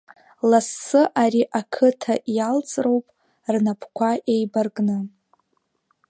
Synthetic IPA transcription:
lasːɨʔaɾiʔakʰɨtʰaʔjalt͡sʼro̞wpʼ | rnapʰkʷʰaʔejbarɡʼnɨ

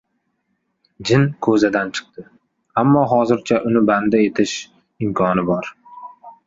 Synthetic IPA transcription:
d͡ʒɪnkʰɵzad̪ant͡ʃʰɨ̥q̚t̪ɪ | amːɒɦɒzɪɾt͡ʃʰaʔʊnɪband̪ae̞t̪ʰɪʃ | ɪmkʰɒnɪbɒɾ

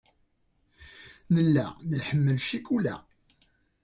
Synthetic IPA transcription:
nəlːæ̰nəlħəmːəlʃikulæ̰

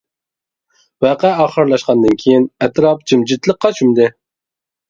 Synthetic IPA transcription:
wæːqɛɑːχəɾlˠɑʃqɑnd̪ɨnkʲʰijinɛt̪ɾɑp̚d͡ʒimd͡ʒɪt̪lˠəqʰːɑt͡ʃʰymd̪ɪ

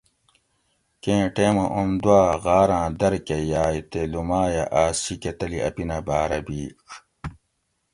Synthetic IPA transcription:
kẽːʈeːmɐʔumd̪uaːɣaːɾãːd̪ɐɾkejaːjt̪elumaːjɐʔaːsiket̪ɐliɐ̰pinɐbaːɾɐbiːk

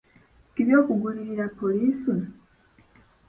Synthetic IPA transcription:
kiβjo̞ːkuɡuliɾiɾapːoliːsi

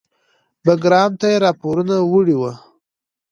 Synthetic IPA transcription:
baɡɾɑmt̪ajeɾɑpoɾunawuɽiwa

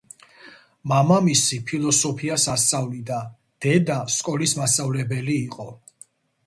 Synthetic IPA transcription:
mamamisipʰilˠɔsɔpʰiasast̪sʼavlid̪a | d̪̥ɛd̪askʼɔlismast̪ʼavlɛbɛliːqʼɔ

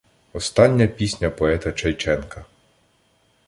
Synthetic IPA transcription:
ɔst̪ɑnʲːɐpʲisʲnʲɐpɔɛt̪ɐt͡ʃɐjt͡ʃɛnkɐ

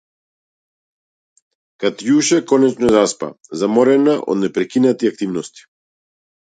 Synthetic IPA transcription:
kat̪juʃɛkɔnɛt͡ʃnɔɛzaspa̰ | zamɔɾɛnaʔɔ̰d̪nɛpɾɛkinat̪iak̚t̪ivnɔst̪i̥

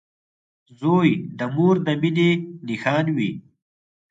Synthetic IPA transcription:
zoːjd̪əmuːɾd̪əminenixɑːnwi

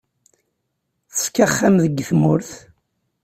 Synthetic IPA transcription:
θə̥skːaχːamðəɡːθmʊɾθ

